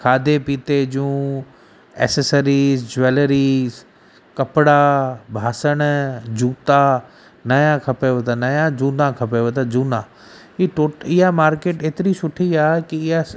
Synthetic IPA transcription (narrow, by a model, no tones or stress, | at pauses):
kʰaːd̪epiːt̪ed͡ʑũː | ɛ̰ːsesəɾiːzd͡ʑeːləɾiːz | kɐpɪɽabʱaːsəɽ̃d͡ʑuːt̪a | nɐjãkʰɐpeʋet̪ʰanɐjãd͡ʑuːnãkʰɐpeʋet̪ad͡ʑuːnã | iʈoːʈɪɦamaːɾkeːʈeːt̪ɪɾisʊʈʰiaːɦkiɪɦa